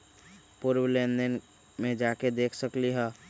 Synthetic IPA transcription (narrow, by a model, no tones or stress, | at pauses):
pʊɾwlẽnd̪ən | mẽd͡ʒaːked̪eːkʰsəkliɦɛː